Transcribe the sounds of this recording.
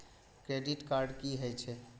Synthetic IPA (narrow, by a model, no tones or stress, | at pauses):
kɾeɖiʈkaɾɖkiɦəjt͡ʃʰɛ